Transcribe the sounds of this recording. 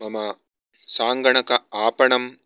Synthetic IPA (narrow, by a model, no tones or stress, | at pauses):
mɐmɐ | saːŋɡɐɳɐkɐaːpɐɳɐm